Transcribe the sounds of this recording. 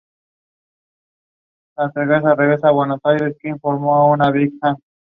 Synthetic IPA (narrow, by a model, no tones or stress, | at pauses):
sant̪eɣas̬areɣesawenosajɾeskeiɱfoɾmoaunaβikan